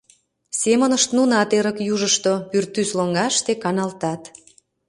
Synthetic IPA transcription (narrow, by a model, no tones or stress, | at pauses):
semə̆nəʃt̪nunɑt̪eɾəkjuʒəʃt̪opyrt̪ːysloŋɡɑʃt̪ekɑnɑlt̪ɑt̪